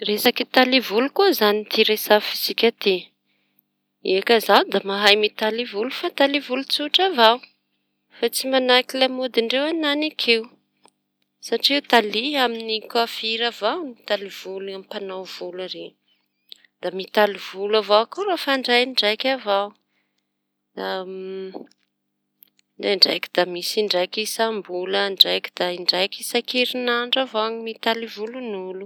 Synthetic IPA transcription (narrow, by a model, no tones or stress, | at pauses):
resakit̪alivulukuzanit̪iɾesafizikʲat̪e | iakazand̪amaɦajmit̪alivulufat̪alivulut͡suʈ͡ʂavaw | fat͡simanakilamod̪iɳɖ͡ʐewananakʰew | saʈ͡ʂiiewt̪aliaminikafiɾavawnit̪aliv̥uluamipanawv̥ulaɾeɲ | d̪̥amit̪alivulavawakurafaɳɖ͡ʐajɳɖ͡ʐajkʲavaw | d̪a | ɖ͡ʐeɳɖ͡ʐa̰jki̥d̪̥amisiɳɖ͡ʐajkisambuləɳɖ͡ʐajki̥d̪̥aiɳɖ͡ʐajkisakeɾinaɳɖ͡ʐavawɲimit̪alivulunulu